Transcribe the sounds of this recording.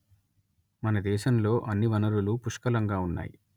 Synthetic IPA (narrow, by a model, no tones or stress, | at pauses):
mɐnɐd̪ɛːʃɐmlo̞ːʔɐnːiʋɐnɐɾulupuʂkɐlɐŋɡaːunːa̰ːjḭ